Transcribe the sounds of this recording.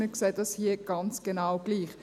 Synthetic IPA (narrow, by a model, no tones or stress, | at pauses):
məkseːdɑshiəɡ̥ɑnt͡sɡ̥enawɡ̥liːχ